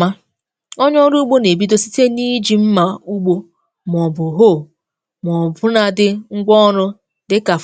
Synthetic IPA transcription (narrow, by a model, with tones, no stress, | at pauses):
ma˦ | o˦ɲɔ˦ɾu˦ɡ͡bo˦ne˨bi˦do˦si̥˦te˦ni˦d͡ʒi˨m̩˦ma˨u˦ɡ͡bo˦ | m˨ɔ˨bʊ˨ɦo˦˨ | m˨ɔ˨bʊ˦na˨dɪ˦ŋ̩˦ɡ͡bʷɔ˦ɾʊ˦ | dɪ˦ka˨